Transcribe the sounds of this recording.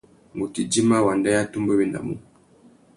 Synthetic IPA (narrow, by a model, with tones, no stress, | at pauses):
mu˨ti˨d͡ʒi˦ma˦wa˨nda˦ja˦tu˦mbɛ˦wɛ˦˨nda̰˨mṵ˦